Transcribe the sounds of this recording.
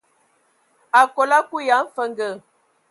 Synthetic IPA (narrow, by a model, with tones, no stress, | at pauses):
a˨kɔ˨la˦ku˦ja˨˦m̩˦fə˦ŋɡə˨